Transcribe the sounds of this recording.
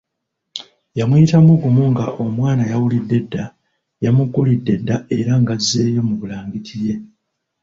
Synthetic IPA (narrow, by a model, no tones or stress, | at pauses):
jamwiːtamuɡumuŋɡaʔo̞mwaːnajawulidːe̞dːa | jamuɡːulidːe̞dːae̞ɾaŋɡaze̞ːjo̞muβulaːŋɡitʰije̞